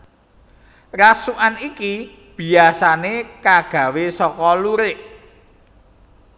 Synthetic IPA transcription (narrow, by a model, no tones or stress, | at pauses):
rasuʔaniki | b̥i̤asanekaɡ̥ä̤wesɔkɔluɾɪʔ